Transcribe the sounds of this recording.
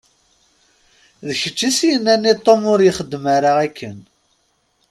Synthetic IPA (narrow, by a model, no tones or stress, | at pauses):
ðəçə̥t͡ʃːisjənːænːit̪ˤːomʊɾjəχəd̪ːmaɾaʁækːən